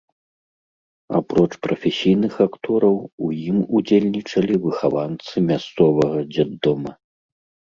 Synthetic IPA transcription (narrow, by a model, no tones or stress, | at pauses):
a̰pɾɔt͡ʂpɾɐfʲɛsʲijnɨxakt̪ɔɾɐwujimud͡zʲelʲnʲit͡ʂɐlʲivɨxavant̪sɨmʲast̪sɔvɐɣɐd͡zʲad̪ːɔmɐ